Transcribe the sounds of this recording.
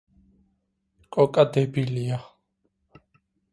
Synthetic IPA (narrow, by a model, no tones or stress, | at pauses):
kʼɔkʼad̪ɛbilija